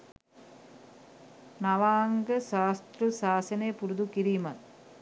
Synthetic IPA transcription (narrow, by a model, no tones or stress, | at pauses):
nɐʋaːŋɡəʃaːst̪ɾusaːsɐneːpuɾud̪ukiɾiːmɐt̪